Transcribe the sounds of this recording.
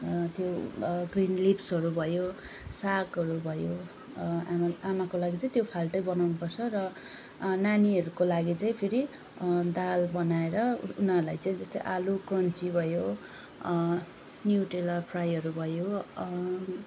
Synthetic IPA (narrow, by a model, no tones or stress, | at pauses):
t̪joɡrinlipsɦʌɾubʱʌjo | sakʌɾubʱʌjo | aamakolaɡit͡saĩt̪jopʰalʈʌjbʌnawnupʌrt͡sʰʌrʌ | naniʌɾukolaɡit͡saĩpʰiɾi | d̪albʌnaeɾʌunarlajt͡saĩd͡zʌst̪o̰jʔalukrʌnt͡sibʱʌjo | njuʈelʌrpʰrajʌɾubʱʌjo